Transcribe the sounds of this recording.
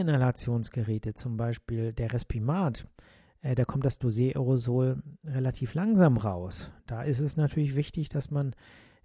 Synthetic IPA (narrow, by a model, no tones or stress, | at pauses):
ɪnalat͡sjoːnsɡ̥əʁɛːtət͡sʊmbaɪʃpiːldeːɐʁɛspʰimaːt | ʔd̥aːkʰɔmtd̥asd̥ozjeːʔɔʁozoːlʁelatʰiːflaŋzaːmʁaʊsd̥aːʔɪstɛsnatʰyːɐlɪçv̥ɪçtɪçd̥asman